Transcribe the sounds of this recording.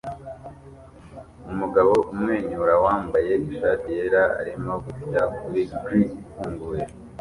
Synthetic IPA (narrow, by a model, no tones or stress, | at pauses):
umuɡaβo̞ʔumŋe̞ːɲuɾawaːmbaje̞iʃaːtijeɾaa̰ɾimo̞ɡufitakuɾiɡɾifuːŋɡuːje